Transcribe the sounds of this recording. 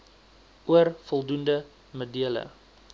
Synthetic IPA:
uərfɔlˠdundə | modiələ̰

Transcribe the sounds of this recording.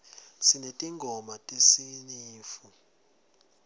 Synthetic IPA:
sinetʼiŋɡʱɔmatʼisiɲiːfu

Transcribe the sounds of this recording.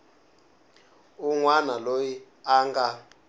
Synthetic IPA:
uŋwanaloji | aŋɡa

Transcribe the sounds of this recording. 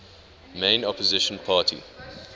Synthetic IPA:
mẽɪ̃nɔpɔzɪʃə̃npʰaːtʰḭ

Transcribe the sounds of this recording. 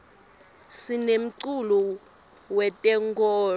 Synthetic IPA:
sinem̩ǀulu | wɛtʼɛŋɡɔː

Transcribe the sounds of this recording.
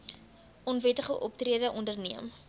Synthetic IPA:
ʔɔnvɛtəχəʔɔp̚triədəʔɔndərniəm

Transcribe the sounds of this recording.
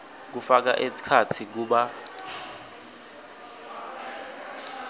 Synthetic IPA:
k̬ufak̬a̰ʔesi̥kʰatʰik̬uɓa

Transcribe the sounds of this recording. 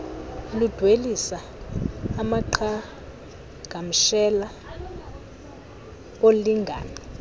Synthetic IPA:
lud̥ʱwelisaː | maǃʰa | ɡʱam̩ʃɛla | ɓoliŋɡʱa̰ːna

